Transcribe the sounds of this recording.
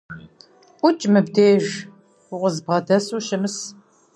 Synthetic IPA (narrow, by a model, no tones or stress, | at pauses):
ʔʷʊt͡ʃʼmɨbd̪eːʒ | ʊʁʷəzbʁɐdɐsuːʃɪmɨs